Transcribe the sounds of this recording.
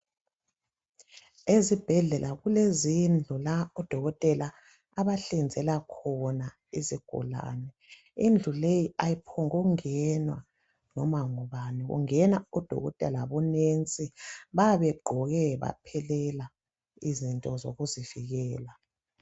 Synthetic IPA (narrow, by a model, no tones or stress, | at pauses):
ezib̥ʱɛɮɛlʔaɣulezind͡ɮʱulaɔd̥ʱɔɣɔtʼɛlaː | βaɬind͡zʱɛlakʰɔna | iziɡ̥ʱṵla̰ːnɛ | ind͡ɮʱulejiajipʰɔŋɔŋɛnwa̰ | nɔmaŋɔβaniɣṵŋɛnaɔd̥ʱɔ̰ɣɔ̰tʼɛ̰laβɔnent͡sʼiβaβɛɡ͡ǃʱɔɣɛβa̰pʰɛlɛla | izintʼɔzo̰ɣuziviɣɛːla